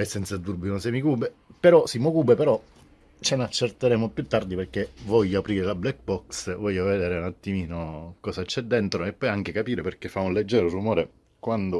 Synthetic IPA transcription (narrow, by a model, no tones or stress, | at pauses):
ɛsːɛnt̪sad̪urbinonsɛmikuːbepeɾɔsimokuːbepeɾɔ | t͡ʃenat͡ʃːert̪eɾeːmopjut̪ːard̪iperkevɔʎːaapɾiːɾelablɛk̚bɔksvɔʎːoved̪eːɾeunat̪ːimiːnokɔːsat͡ʃɛd̪ːent̪ɾoepːɔjaŋk̟ekapiːɾeperkefːaunled͡ʒːɛːɾorumoːɾe | kwand̪o